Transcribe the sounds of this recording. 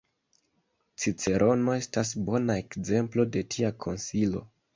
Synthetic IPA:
t͡sit͡se̞ɾʔo̞no̞e̞stasbo̞naekze̞mplo̞de̞tʰiakʰo̞nsilo̞

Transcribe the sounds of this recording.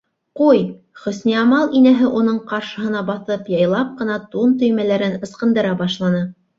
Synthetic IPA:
quj | χɵ̆sniɑmɑlˠinæɦɘʔunɤɴqɑɾʃɤ̆ɦɤ̆nɑbɑθɤpjɑjlˠɑp̚qɤ̆nɑt̪unt̪ɵ̆jmælæɾɘnɤ̆sqɤ̆nd̪ɤ̆ɾɑbɑʃlˠɑnɤ

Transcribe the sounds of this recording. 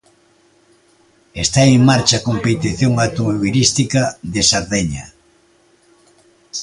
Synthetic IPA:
est̪aeŋmaɾt͡ʃɐkompet̪iθjoŋawt̪omoβilist̪ikɐðesaɾðeɲa̰

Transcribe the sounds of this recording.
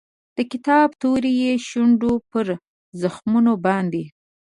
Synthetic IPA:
d̪̥əkɪt̪ɑbt̪oɾejeʃuɳɖopəɾ | zəxmunobɑnd̪e

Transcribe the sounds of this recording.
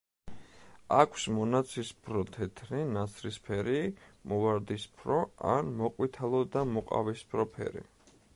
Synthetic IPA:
akʷʰsmɔnat̪sʰispʰɾɔt̪ʰɛt̪ʰninat̪sʰɾispʰɛɾimɔvaɾd̪ispʰɾɔa̰nmɔqʼwit̪ʰalˠɔd̪amɔqʼa̰vispʰɾɔpʰɛ̰ɾḭ

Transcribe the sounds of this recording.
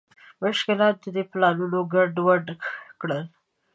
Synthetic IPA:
mʊʃkɪlɑt̪̚d̪əd̪eplɑlunoɡaɖwaɖkɽəl

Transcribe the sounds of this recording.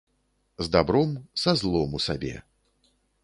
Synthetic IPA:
zd̪abɾɔmsazlˠɔmusabʲɛ̰

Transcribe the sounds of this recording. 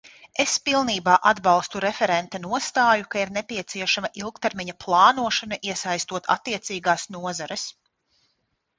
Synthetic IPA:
espilˠniːbaːʔad̪bɑlˠst̪uɾɛfɛɾɛnt̪ɐnuɔst̪aːjukaiɾnepʲiɛt̪siɛʃamɐʔilˠk̚t̪ɛɾmʲiɲɐplˠɑːnuɔʃanaʔiɛsajst̪uɔt̪a̰t̪ːiɛt̪siːɡaːsnuɔzaɾɛs

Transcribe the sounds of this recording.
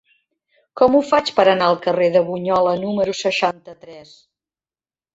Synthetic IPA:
kɔmufat͡ʃpəɾənaəlˠkəreðəβuɲɔlənuməɾusəʃant̪ət̪ɾɛs

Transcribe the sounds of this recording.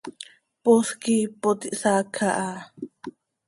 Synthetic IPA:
poskipot̪iʔsakʰaʔa

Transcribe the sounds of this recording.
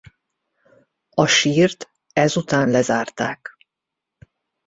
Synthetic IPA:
ɒʃiːrt̪ | ɛzut̪aːnlɛzaːrt̪aːk

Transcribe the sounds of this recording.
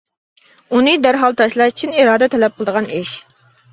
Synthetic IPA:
unɨd̪æɾɦɑlˠt̪ʰɑʃlˠɑʃt͡ʃʰiniɾɑːd̪ɛt̪ʰɛlɛp̚qʰəlˠəd̪əʁɑneʃ

